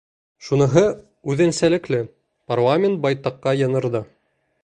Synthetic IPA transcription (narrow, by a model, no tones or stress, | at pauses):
ʃunɤ̆ɦɤ | ʉðɘ̆nsælɘ̆klɘ | parlˠamʲɪnt̪̚bɑjt̪ɑqːɑjɤ̆nɤ̆ɾðɤ